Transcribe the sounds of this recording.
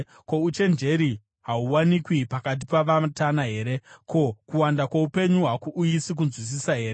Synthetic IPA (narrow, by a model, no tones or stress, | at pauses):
ko̞ut͡ʃe̞nd͡ʒe̞ɾi | ɦauwanikwipakat̬ipaʋatanaɦe̞ːɾe̞ko̞kuwandakwaupe̞ɲuɦakuʔuisik̬unzwis̬isaɦe̞ːɾe